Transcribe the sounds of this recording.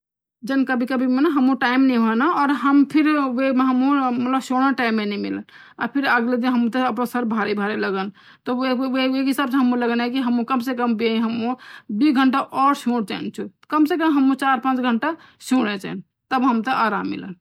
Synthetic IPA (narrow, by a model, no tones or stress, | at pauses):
d͡ʒənkəbʱikəbʱimenaɦəmũʈaimnɛĩɦoɛnaɔːɾɦəmpʰiɾʋemeɦəmumət̪ləbsoɽ̃əʈaimːenɛmḭlən | a̰ɾpʰiɾəɡled̪inɦəmũt̪eəpnasəɾbʱaɾibʱaɾeləɡən | t̪ɔeeekɦisabsɦəmũləɡənɛkiɦəmũkəmsekəmbiĩɦəmõbiɡʱəɳʈaʔɔɾsõɽt͡ʃa̰nt͡ʃʰukəmsekəmɦəmũt͡ʃaɾpãt͡ʃɡʱəɳʈa | soɽ̃et͡ʃa̰ɛn | t̪əbɦəmt̪əʔaɾa̰mːḭlə̰n